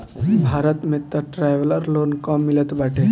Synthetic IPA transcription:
bʱaɾət̪met̪ːəʈɾajʋələɾloːnkɔmːilət̪baʈe

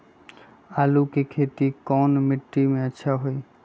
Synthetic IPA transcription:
alukekʰet̪ikɔnmɪʈːimeətːʃʰaɦoj

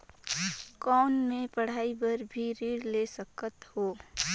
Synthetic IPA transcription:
kɔːnmẽpɐɽ̤aːibəɾbʱiɾiːɽlesəkət̪hoː

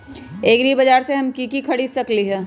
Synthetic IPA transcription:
eːɡɾibɐd͡ʒaːɾseɦɐmkikikʰɐɽiːd̪sɐkliɦɛː

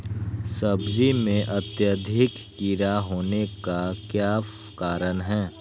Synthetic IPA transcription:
sɐbd͡ʒimẽʔɐt̪jəd̪ʱɪkːiɾaɦoːnekakjaːf | kaːɾənɦɛ̃ː

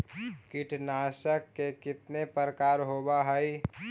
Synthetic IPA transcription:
kɪʈnaːsəkːekɪt̪nepəɾkaːɾɦobaɦəi

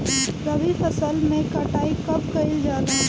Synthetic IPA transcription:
ɾəʋifʰəsəlmẽkɐʈaːikɐp̚kɐɪld͡ʒaːlaː

